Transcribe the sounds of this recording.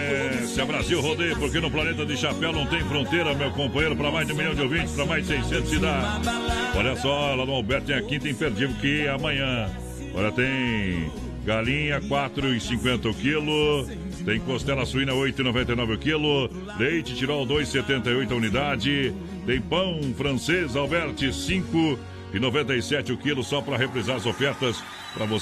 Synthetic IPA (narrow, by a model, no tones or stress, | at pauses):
ɛ | sɪɐbɾaziwhod̪ejʊpoɾkenʊplanet̪ɐd̪ɪʃapɛwnɐ̃w̃t̪ẽj̃fɾõnt̪ejɾɐmewkõmpɐ̃j̃ejɾʊpɾɐmajzd͡ʒɪ̃ũmilʎɐ̃w̃d͡ʒɪowvĩnt͡ʃɪ̥spɾɐmajzd͡ʒɪsejsẽnt̪ʊ̥sid̪ad͡ʒɪsɔʎɐsɔlad̪ʊ̃awbɛɾt̪ʊt̪ẽj̃akĩt̪ẽj̃peɾd͡ʒid̪ʊkɪamɐ̃ɲɐ̃ | ɔ̰ʎɐt̪ẽj̃ | ɡalĩɲɐkwat̪ɾʊɪsĩŋkwẽnt̪ɐʊkilʊ | t̪ẽj̃kost̪ɛlɐsuĩnɐojt̪ʊɪnovẽnt̪ɐjnɔvɪʊkilʊ | lejt͡ʃɪt͡ʃiɾowd̪ojsset̪ẽnt̪ɐjojt̪ʊɐunid̪ad͡ʒɪ | t̪ẽj̃pɐ̃w̃fɾɐ̃sezawbɛɾt͡ʃɪsĩŋkʊ | ɪnovẽnt̪ɐjsɛt͡ʃɪʊkilʊsɔpɾɐɦepɾezaɾɐzofɛɾt̪ɐs | pɾɐvo